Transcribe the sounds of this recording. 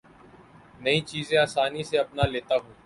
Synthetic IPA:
nəĩːt͡ʃiːzẽaːsaːniseɐpnaːleːt̪aːɦũː

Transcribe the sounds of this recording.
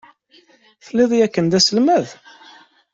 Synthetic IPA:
θəlːɪðˤjækːənd̪æsəlmæð

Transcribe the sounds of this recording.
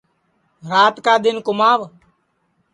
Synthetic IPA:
ɾaːt̪kaːɗ̪ɪnkʊmaːʋ

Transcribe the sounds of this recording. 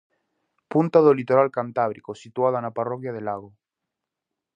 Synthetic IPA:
punt̪aðolit̪oɾalkant̪aβɾikosit̪waðaenaparokjaðelaɣ̞o

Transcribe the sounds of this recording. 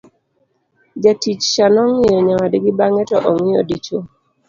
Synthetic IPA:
d͡ʒatit͡ʃʃanɔŋɪjɔɲawadɡibaŋɛtɔʔɔŋɪjɔ̰dit͡ʃo

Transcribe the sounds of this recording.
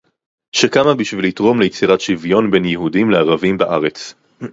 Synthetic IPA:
ʃekamabiʃvilitʁo̞mlejet͡siʁatʃivjo̞nbe̞njehudimleaʁavimbaʔaʁe̞t͡s

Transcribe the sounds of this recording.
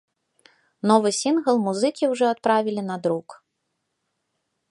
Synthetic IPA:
nɔvɨsʲinɣɐlˠmuzɨkʲiwʐɔat̪̚pɾavʲilʲinɐd̪ɾuk

